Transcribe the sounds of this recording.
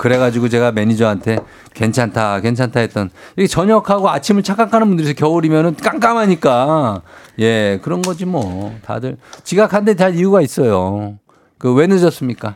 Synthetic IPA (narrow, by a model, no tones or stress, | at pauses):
kɯɾe̞ɣad͡ʑiɡot͡ɕe̞ɡame̞ɲid͡ʑʌɦantʰe̞ | ke̞nt͡ɕʰantʰake̞nt͡ɕʰantʰaɦet̚t͈ʌnjʌɡet͡ɕʌɲʌkʰaɡoat͡ɕʰimɯɭt͡ɕʰak͈akʰanɯnbundɯɾis̬ʰʌ̥kjʌuɾimjʌnɯnk͈aŋk͈amɦaɲik͈a | je̞kɯɾʌnɡʌd͡ʑimwʌta̰dɯɭt͡ɕiɡakʰandet͡ɕaɭijuɡais͈ʌjo | kɯwe̞nɯd͡ʑʌs͈ɯmɲik͈a